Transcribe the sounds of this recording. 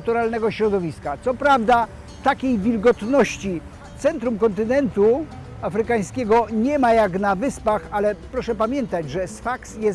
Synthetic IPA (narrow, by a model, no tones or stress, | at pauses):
t̪uɾalnɛɡɔɕɾɔd̪ɔvʲiskat̪sɔpɾavd̪a | t̪akʲejvʲilɡɔt̪nɔɕt͡ɕi | t̪sɛnt̪ɾumkɔnt̪̬ɘnɛnt̪u | afɾɘkaj̃skʲɛɡɔɲɛmajaknavɘspaxalɛpɾɔʂɛpamʲjɛnt̪ad͡ʑʐɛsfaksjɛs